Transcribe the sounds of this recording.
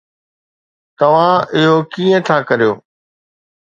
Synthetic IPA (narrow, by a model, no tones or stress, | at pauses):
t̪ɐʋ̤ãɪɦokiːẽt̪ʰaːkɐɾijoː